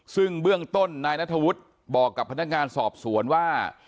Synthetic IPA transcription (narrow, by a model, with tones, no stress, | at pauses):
sɯ˥˩ŋbɯ˥˩əŋt̪o˥˩nːaː˧jna˦˥t̪ʰːa˧wu˦˥t̪̚ | bɔː˨˩kːa˨˩pʰːa˧n˦˥k̚ŋaː˧nsɔː˨˩p̚su˩˦ənwaː˥˩